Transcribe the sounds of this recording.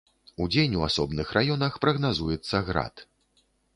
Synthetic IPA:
ud͡zʲenʲuasɔbnɨxrajɔnɐxpɾɐɣnazujɛt̪sːɐɣɾa̰t̪

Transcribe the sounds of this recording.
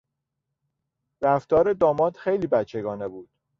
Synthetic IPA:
ɾæft̪ɒːɾe̞d̪ɒːmɒːt̪xejliːbæt͡ʃʰːe̞ɡɒːne̞buːd̪̥

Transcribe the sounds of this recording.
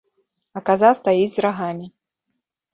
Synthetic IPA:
ɐkazawst̪ajid͡zʲzɾaɣamʲi

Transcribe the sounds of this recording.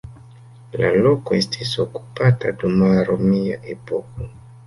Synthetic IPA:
la̰lokoestʰisoku̥patadumaɾomiaʔepoko

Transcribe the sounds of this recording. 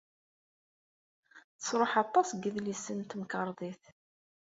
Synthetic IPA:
θə̥sɾˤoħɑt̪ˤːɑsɡəðlisənt̪mkəɾˤðˤiθ

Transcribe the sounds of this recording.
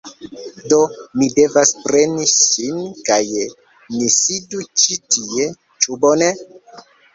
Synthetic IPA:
do̞mide̞vaspɾe̞nisinkaj | nisidut͡ʃitie̞ | t͡ʃubone

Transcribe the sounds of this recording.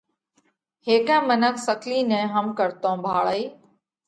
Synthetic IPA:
heːkɛ̃ːmənəkʰsəkliːnɛ̃ːɦəmkəɾt̪õːbʱaːɭəiː

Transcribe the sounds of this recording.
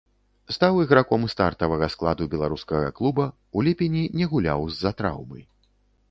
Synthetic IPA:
st̪awiɣɾakɔmst̪a̰rt̪ɐvɐɣɐsklˠad̪ubʲɛlˠaɾuskɐɣɐ̰klˠubɐ | ulʲɛpʲɛnʲinʲɛɣulʲa̰wzːɐt̪ɾa̰wmɨ̰j

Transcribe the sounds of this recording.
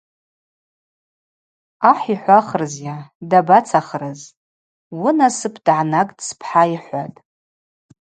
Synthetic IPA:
aħiħʷaχərzjadabat͡sʰaχrɨz | wʊnasɨpʰd̥ʕanakʼdspʰħaiħʷatʼ

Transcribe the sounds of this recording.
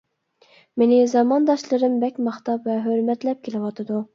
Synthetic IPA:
menɪzɑmɑnd̪ɑʃlˠɨɾɨmbɛkʲmɑχt̪ɑpvɛɦøɾmɛt̪lɛp̚kʲelɪwɑt̪ʰɨd̪u

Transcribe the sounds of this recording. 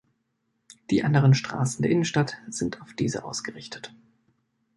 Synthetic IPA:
d̥iːʔandəʁ̞ənʃtʁ̥a̰ːsn̩deːɐʔɪnən̩ʃtatz̥ɪntʰaʊfd̥iːzə̰ʔaʊsɡ̥əʁɪçtʰə̥t

